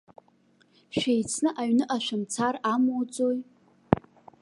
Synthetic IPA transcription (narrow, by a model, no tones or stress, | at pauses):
ʃᶣejt͡sʰnɨʔaɥnɨʔaʃʷᶣamt͡sʰaramot͡sʼoj